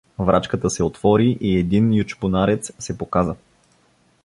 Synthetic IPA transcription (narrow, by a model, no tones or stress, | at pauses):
vɾʔat͡ʃkət̪əsɛot̪vɔɾiʔiɛd̪injut͡ʃpʊnaɾɛt̪ssɛpokazə